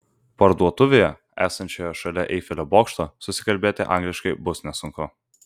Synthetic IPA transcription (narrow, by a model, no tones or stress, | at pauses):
pɐɾd̪uɔt̪ʊʋʲeːjɛ | æ̰ːsɐnʲt͡ʃʲoːjɔʃɐlʲɛʔɛɪfʲɪlʲoboːkʃt̪oːsʊsʲɪkɐlʲbʲeːt̪ʲɪ̰ʔɑ̰ˑŋɡlʲɪʃkɐɪbʊsnʲɛsʊŋkʊ